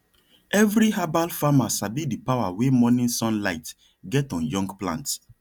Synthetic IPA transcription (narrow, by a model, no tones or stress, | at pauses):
ɛvɾiɦabalfamasabidipawawemɔnĩnsɔ̃nlaɪt | ɡɛtɔ̃njɔ̃ŋɡplã̰nt